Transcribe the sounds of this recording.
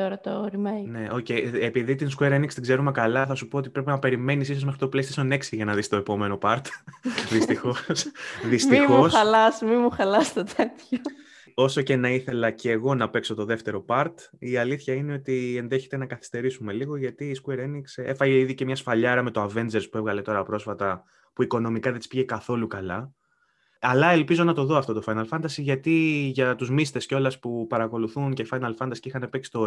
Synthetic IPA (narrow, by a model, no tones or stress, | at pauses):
t̪oɾɐt̪oɾimene̞ʔoce̞jepiðit̪inskueɾenikst̪iɡzeɾumekɐlɐθɐsupo̞ot̪ipɾe̞penɐpe̞ɾime̞nisiso̞zmexɾit̪o̞plest̪sneksiʝɐnɐðist̪o̞epo̞me̞no̞pɐɾt̪ðist̪ixo̞sðistmiixo̞sɐlɐsmimuxɐlɐst̪ɐt̪ʰet̪ço | o̞so̞ce̞nɐiθe̞lɐceːɣo̞nɐpe̞kso̞t̪o̞ðe̞ft̪e̞ɾo̞pɐɾt̪iɐliθçɐine̞o̞t̪ie̞nðeçe̞t̪e̞nɐkɐθi̥st̪e̞ɾisume̞liɣo̞ʝɐt̪iːskueɾeniksefɐʝeiðicemɲɐsfɐʎɐeɾɐme̞t̪oɐve̞nd͡ze̞ɾspue̞vɣɐle̞t̪o̞ɾɐpɾo̞sfɐt̪ɐ | puiko̞no̞mikɐðet̪ispiʝe̞kɐθo̞lukɐlɐ | ɐlɐe̞lpizo̞nɐt̪o̞ðoɐft̪o̞t̪ofɐjnɐlfɐnd̪ɐsiʝɐt̪iʝɐt̪uzmist̪e̞sco̞lɐspupɐɾɐko̞luθuncefɐjnɐlfɐnd̪ɐsi̥cixɐnepeksi̥t̪o